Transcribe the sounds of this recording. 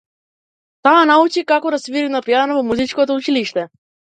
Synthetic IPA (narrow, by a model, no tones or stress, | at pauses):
t̪aːnaut͡ʃikakɔd̪asviɾinapijanavɔmuzit͡ʃkɔt̪ɔut͡ʃiliʃt̪ɛ